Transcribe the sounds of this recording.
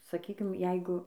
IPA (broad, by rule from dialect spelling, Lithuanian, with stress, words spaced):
sɐˈkʲiːkʲɪm ˈjɛɪɡʊ